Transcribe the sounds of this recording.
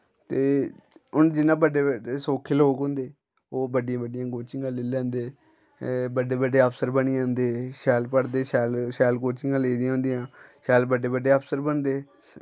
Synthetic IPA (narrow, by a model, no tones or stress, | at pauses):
t̪eːʊnd͡ʒɪnːãːbəɖeːəeːsoːkʰeːloːkɦõːnd̪eː | oːbəɖɪjãːbəɖɪjãːɡoːt͡ʃɪŋɡãːlɪːlɛ̃ːnd̪eː | bəɖeːbəɖeːəpʰsəɾbəniːãːnd̪eːʃɛːlpəɽd̪eːʃɛːlʃɛːlɡoːt͡ʃɪŋɡãːleːd̪ijãːɦʊ̃ːnd̪ijãːʃɛːlbəɖeːbəɖːeːəpʰsəɾbənd̪eː